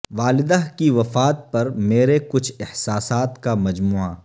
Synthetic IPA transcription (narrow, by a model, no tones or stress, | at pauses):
ʋaːlɪd̪aɦkiʋɐfaːt̪̚pɐɾmeːɾekʊt͡ʃʰɪhsaːsaːt̪kamɐd͡ʒmuːa̰ː